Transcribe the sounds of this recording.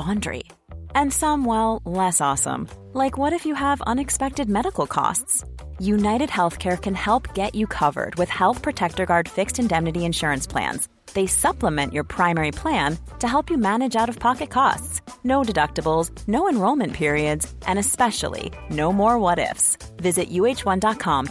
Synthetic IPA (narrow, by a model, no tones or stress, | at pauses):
ɑ̃ndɹḭɨ̃nsʌ̃mwɛlˠlɛsɔsə̰̃m | laɪkwʌɾɨfjɨəvʌ̰̃nɨkspɛk̚tɨd̚mɛɾəkl̩ˠkʰɔ̰stsjʉnaɪɾɨd̚hɛlˠθkʰɛɹkʰɨ̃nhɛlˠpɡ̥ɛt͡ʃɨkʰʌvə̰˞d̚wɨð̥hɛlˠθpʰɹ̥ɨtʰɛk̚tə˞ɡɑɹd̥fɪkstɨ̃ndɛ̃mnɨɾiɨ̃nʃʊɹɨ̃nspʰl̥æ̰̃nz̥ | ðeɪsʌpləmɛ̃nʔjə˞pʰɹ̥ãɪ̃mɛɹipʰl̥æ̃ntʰɨɦɛlˠpjɨmænɨd͡ʒaʊɾʌv̥pʰɑkɨt̚kʰɔ̰stsnoʊdɨdʌk̚təbl̩ˠz | noʊɨ̃nɹoʊlˠmɨ̃npʰɪɹiɨdzʔɨ̃ñɨspɛʃl̩ˠḭ | noʊmɔɹwʌɾɪ̰fsvɪzɨʔjʉeɪt͡ʃwʌ̃ndɑt̚kʰɑ̃m